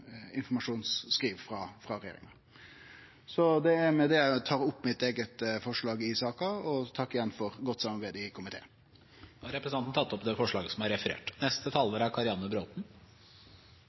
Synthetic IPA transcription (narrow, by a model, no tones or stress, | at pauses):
ɪnfɔmɑʂuːnsːkɾiːʋfɾɑfɾɑɾɛjḛɾɪ̰ŋɑ | sɔd̪ɛæɾmɛd̪ɛæt̪ʰɑːɾʊpːmɪt̪eːɡət̪fɔʂɭɑːɡɪsɑːkɑɔt̪ʰɑkːɪjɛnfɔɾɡɔt̪ːsɑmɑɾbæɪd̪ɪkʰʊmɪt̪ʰḛːn | hɑɾɛpɾəsɑnn̩t̪ʰɑt̪ːɔpd̪ɛfɔʂɭɑːɡəsɔmæɾɛfəɾḛːʈnɛst̪ət̪ʰɑlːəɾæɾkʰɑɾɪɑnːəbɾoːt̪n̩